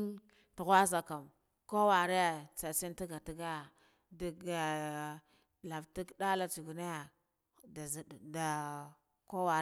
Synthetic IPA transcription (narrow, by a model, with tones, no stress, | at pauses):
tu˨ɣʷa˦za˨ka˨m | ko˦wa˨ɾe˦ja˨t͡sa˨si˦n˦ti˦ɡa˨ti˦ɡa˦ja˨ | di˨ɡa˨ | la˨vti˦kda˦la˦t͡su˨ɡu˨na˦ja˨ | da˨zda˨ | ko˦wa˨